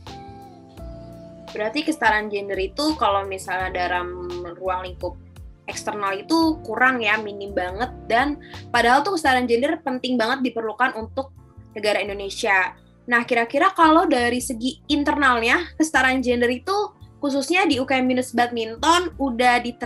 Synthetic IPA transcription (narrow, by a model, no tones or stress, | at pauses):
bəɾart̪ikəsə̥t̪aɾand͡ʒɛndəɾit̪ukalomisalɲadaɾamruaŋliŋkʊp̚ | ɛkst̪ərnalit̪ukuɾaŋjaminimbaŋət̪̚danpadaɦalt̪ukəsət̪aɾand͡ʒɛndərpənt̪ɪŋbaŋət̪̚dipərlukanunt̪ʊk̚nəɡaɾaindonesia | nahkiɾakiɾakalawdaɾisəɡiːnt̪ərnalɲakəsə̥t̪aɾand͡ʒɛndəɾit̪ukus̬usɲadiukaɛminəsbat̪̚mint̪ɔnudahdi